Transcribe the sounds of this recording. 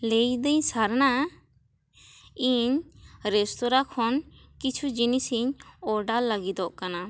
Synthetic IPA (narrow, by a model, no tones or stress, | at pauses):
lejd̪əɲsaɾna | iɲɾɛst̪ɔɾakʰɔnkit͡ʃʰud͡ʒinisiɲɔɖalːaɡid̪ɔʔkana